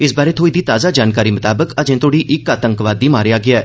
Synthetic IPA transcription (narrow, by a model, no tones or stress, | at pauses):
ɪsbaːɾeːt̪ʰoːiːd̪iːt̪aːzaːd͡ʒaːnkaːɾiːmət̪aːbəkəd͡ʒẽːt̪ʰoːɽiːʔɪkaːt̪ə̃ŋkʋaːd̪ːiːmaːɾejaːɡɪaː